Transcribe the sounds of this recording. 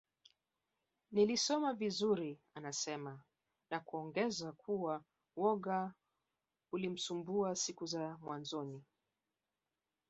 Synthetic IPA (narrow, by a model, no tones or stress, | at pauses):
nilisɔmavizuɾianasɛma | nakuɔŋɡɛzakʰuwa | wɔɠa | ulim̩sumbuasikuzamwʔanzɔni